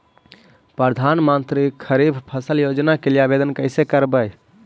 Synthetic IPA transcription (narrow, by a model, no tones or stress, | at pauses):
pɾəd̪ʱanmənt̪ɾikʰːəɾibʱpʰəsəljod͡ʒnakelijabed̪ənkəɪsekəɾbəj